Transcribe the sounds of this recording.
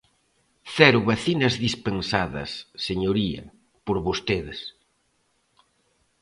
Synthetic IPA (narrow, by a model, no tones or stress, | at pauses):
θɛɾʊβɐθinɐzðispensaðɐ̰sːeɲoɾiɐ̰ | poɾβost̪eðɪs